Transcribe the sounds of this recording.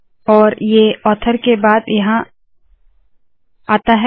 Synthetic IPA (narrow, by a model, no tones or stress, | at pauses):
ɔːɾjeɔːt̪ʰəɾkebaːd̪jɐɦã | aːt̪aɦɛ